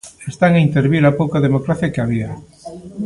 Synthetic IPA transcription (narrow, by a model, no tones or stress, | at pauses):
est̪aŋaint̪eɾβiɾapowkaðemokɾaθjakeaβia